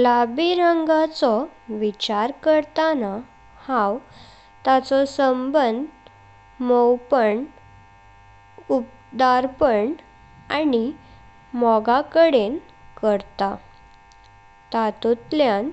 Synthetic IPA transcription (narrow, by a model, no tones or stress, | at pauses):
labiɾəŋɡat͡sɔʋit͡ɕaɾkəɾt̪ana | hãw | t̪at͡sɔsəmbənd̪ | mɔwpəɳ | up̚ | d̪aɾpəɳ | ani | mɔɡakəɽen | kəɾt̪a | t̪at̪ut̪ljan